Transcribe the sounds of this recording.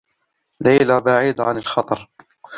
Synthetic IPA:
lajlabaʕiːd̪aʕanalxɑt̪ˤɑɾˤ

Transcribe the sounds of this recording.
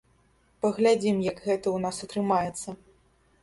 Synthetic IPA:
pɐɣlʲad͡zʲimjɐɡɣɛt̪ɐwnasɐt̪ɾɨmajɛt̪sːɐ

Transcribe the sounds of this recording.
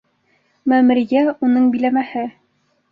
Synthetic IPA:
mæmɘ̆ɾjæunɤɴbilæmæhɘ

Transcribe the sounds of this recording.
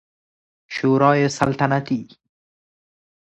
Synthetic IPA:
ʃoːɾɑːjesalt̪anat̪i

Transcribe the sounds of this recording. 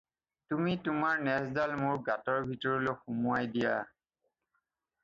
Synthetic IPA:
tumitʊmaɹnɛsdalmʊɹɡatɔɹbʱitɔɹɔloxumuajdija

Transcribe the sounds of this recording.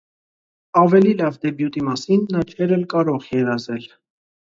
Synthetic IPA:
ɑvɛlilɑvd̪ɛbjut̪imɑsinːɑt͡ʃʰɛɾɛlkɑɾɔʁjɛɾɑzɛl

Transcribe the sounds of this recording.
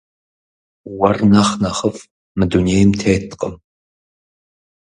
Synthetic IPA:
wɐrnaχnɐχəf | mɨduneːjmtʰeːtʰqʼəm

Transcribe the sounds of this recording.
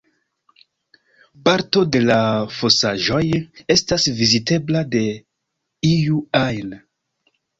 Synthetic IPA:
paɾto̞de̞lafo̞saʒo̞je̞stasvizite̞blade̞ | ijuajn

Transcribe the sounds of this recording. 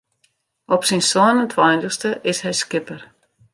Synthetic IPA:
ɔpsinsɔːnənt̪ʰvaːhɪnt̪əxst̪əʔɪshajscɪpaɾ̥

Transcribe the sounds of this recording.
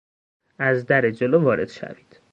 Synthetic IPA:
ʔæzd̪æɾed͡ʒolovɒːɾe̞̰d̪̥ʃæ̰vi̥ːd̪̥

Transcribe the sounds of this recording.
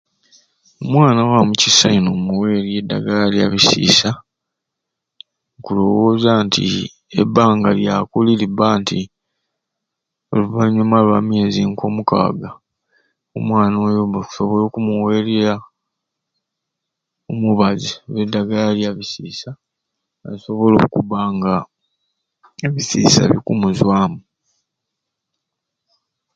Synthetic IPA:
omwaːnawamucisainomuwe̞ːɾiedːa̰ɡalia̰βisḭːsa | ŋkulo̞wo̞ːzaːntʰḭ | ḛbːaːŋɡaljakulilibaːnti | oluβaɲomalwamje̞ziŋko̞ːmuka̰ːɡa | omwaːno̞ːjomeku̥so̞βolo̞ːkumuwe̞ːleɾa | omuβaziβedːaɡalaljaβisiːsa | aso̞βo̞lo̞̰ːkuβaːŋɡa | eβisiːsa̰βḭkumuzwaːmu

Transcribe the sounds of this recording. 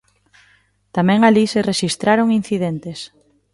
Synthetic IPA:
t̪amɛ̃ŋalisereʃist̪ɾaɾoŋin̟θiðent̪es

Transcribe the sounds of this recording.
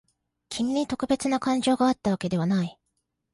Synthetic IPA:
kʲʰimʲiɲ̟it̪o̞kɯ̟be̞t͡sɨnakãɲ̟d͡ʑo̞ːɡaːt̪ːaβ̞ake̞d̪e̞β̞anai

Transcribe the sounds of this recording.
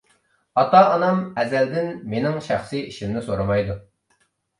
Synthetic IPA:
ɑt̪ɑːnɑmɛzæld̪ɪnmenɪŋʃæχsɨjiʃimnɪsoɾɨmɑjd̪u

